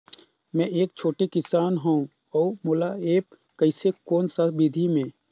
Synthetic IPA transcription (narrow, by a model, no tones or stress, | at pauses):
mɛ̃ʔeːk̚t͡ʃʰoːʈekɪsaːnɦoũ | ɔːmoːlaeːp̚ | kəɪsekoːnsabɪd̪ʱimẽː